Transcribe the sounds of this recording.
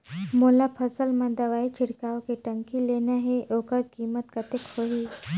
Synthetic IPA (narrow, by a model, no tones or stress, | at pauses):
molapʰəsəlməd̪əʋait͡ɕʰiɽkaʋkeʈəŋkilenjaɦeʔokəɾkimət̪kət̪ekhoɦiː